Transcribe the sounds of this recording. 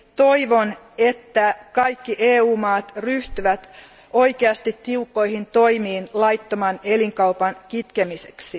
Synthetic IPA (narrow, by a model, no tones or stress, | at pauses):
t̪o̞jʋo̞n | e̞t̪ːækɑjkːiʔeːuːmɑːt̪ryht̪yʋæt̪ | o̞jkeɑst̪it̪tːiukːo̞jhint̪o̞jmiːnlɑjt̪ːomɑne̞liŋkɑupɑnkit̪kemise̥ksi